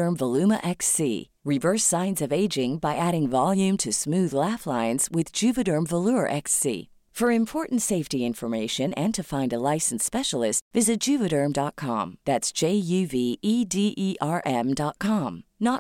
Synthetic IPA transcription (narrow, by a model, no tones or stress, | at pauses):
ə̃˞mvəlʉmə̰ʔɛksḭ | ɹɨvɜ˞sãɪ̃nzʌveɪd͡ʒɪ̃ŋbaɪʔæɾɪ̃ŋvɑlˠjʉ̃mtʰɨsmʉðlæflãɪ̃nz̥wɪðd͡ʒʉvɨɾə̃˞mvəluə˞ʔɛksḭ | fə˞ɨ̃mpʰɔɹʔn̩tseɪftiɪ̃ɱfə˞meɪʃɨ̃nɨ̃ntʰɨfãɪ̃ndəlaɪsn̩spɛʃl̩ˠɪstvɪzɨt̚d̥ʒ̥ʉvɨɾə̃˞mdɑt̚kʰɑ̰̃mðætsd̥ʒ̥eɪjʉviʔidiʔiʔɑɹʔɛ̃mdɑt̚kʰɑ̃mnə